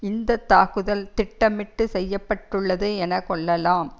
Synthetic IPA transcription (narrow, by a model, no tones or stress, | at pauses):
ɪnd̪ɐt̪ːaːkɯðɐlt̪ɪʈːɐmɪʈːɯsɛjːɐpːɐʈːɯɭːɐðeːɛnɐkːɔɭːɐlaːm